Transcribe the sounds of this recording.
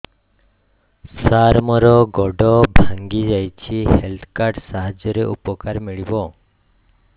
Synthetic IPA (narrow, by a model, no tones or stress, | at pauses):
saɾmɔɾɔɡɔɖɔbʱaŋɡid͡ʒajt͡ʃʰihelt̪ʰkaɾɖsaɦad͡ʒjɔɾeʔupɔkaɾmiɭibɔ